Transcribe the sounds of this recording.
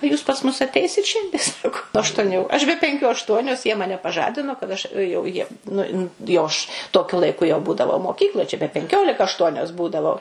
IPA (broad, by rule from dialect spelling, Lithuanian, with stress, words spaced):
oː ˈjuːs pɐs mʊs ɐtʲˈɛɪsʲɪt ˈʃʲɛnʲdʲiɛ ˈsɑːkoː ɐʃtuɔˈnʲuː ɐʃ bʲɛ pʲɛŋʲˈkʲuː ɐʃˈtuɔnʲoːs jiɛ ˈmɑːnʲɛ pɐˈʒɑːdʲɪnoː kɐt ˈɐʃ jɛʊ ˈjiɛm nʊ nʊ jɛʊ ˈɐʃ toːˈkʲʊ lˠɐɪˈkʊ jɛʊ ˈbuːdɐʋɐʊ moːˈkʲiːklˠoːj t͡ʃʲɛ bʲɛ pʲɛŋʲˈkʲoːlʲɪkɐ ɐʃˈtuɔnʲoːs ˈbuːdɐʋɐʊ